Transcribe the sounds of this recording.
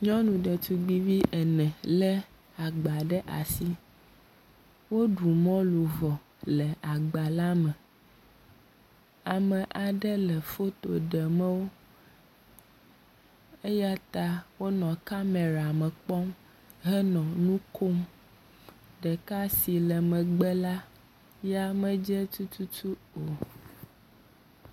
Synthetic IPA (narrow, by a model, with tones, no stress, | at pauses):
ɲɔ̃˦nũ˨ɖɛ˨t̪u˨ɡ͡bi˦vi˦ʔɛ˨nɛ̃˨lɛ˦ | a˨ɡ͡ba˨ɖɛ˦ʔa̰˨si˦ | wo˦ɖu˨mɔ̃˦lu˨vɔ˨ | lɛ˨a˨ɡ͡ba˨la˦mɛ̃˨ | a˨mɛ̃˨ʔa˨ɖɛ˦lɛ˨fo˦t̪o̰˨ɖɛ˨mɛ̃˦wo˦ | e˦ja˦t̪a˦wo˦nɔ̃˨ka˦me˨ɾa˨mɛ̃˨k͡pɔ˦m | ɦɛ˦nɔ̃˨nũ˦kʰo˦m | ɖɛ˨ka˦si˨lɛ˨mɛ̃˨ɡ͡bɛ˦la˦ | ja˦mɛ̃˦d͡ʒɛ˦t̪u˦t̪u˦tu˦o˨